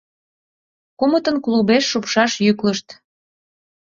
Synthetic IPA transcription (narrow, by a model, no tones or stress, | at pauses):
kumət̪ənklubeʃːupʃɑʃjykləʃt̪